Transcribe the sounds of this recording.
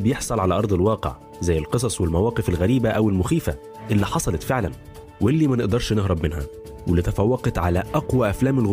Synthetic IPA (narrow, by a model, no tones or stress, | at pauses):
bjeħsˤɑlʕalæʔɑɾˤd̪ˤelwɑːqḛʕ | zæjːelqɨsˤɑsˤwelmæwæːqefælɣæɾiːbæʔæwɪlmʊxiːfæ | ʔelːiːħɑsˤɑlɑt̪feʕlæn | wʔelːiːmænɪʔd̪ɑɾˤʃneɦɾɑbmɪnhæ̰ | welɪt̪æfæwːɑqɑt̪ʕalæʔæqwæʔæflæːmɪlɣ